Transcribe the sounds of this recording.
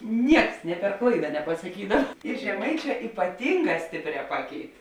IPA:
ˈnʲiɛks nʲeː pʲɛr ˈklˠɐɪdɐ nʲɛpɐsɐˈkʲiːdɐw ɪr ʒʲɛˈmɐɪˌt͡ʃʲɛː iːpɐˈtʲiːŋˌɡɑː ˈsʲtʲeːpʲˌrʲɛː ˈpɑːˌkʲɛɪt

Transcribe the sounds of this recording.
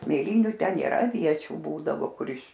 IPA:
mʲeːˈlʲiːnʲʊ ˈtʲɛn nʲeːˈrɐ ɐˈʋʲiɛt͡ʃʲuː ˈbuːdɐʋoː ˈkʊr ɪʃ

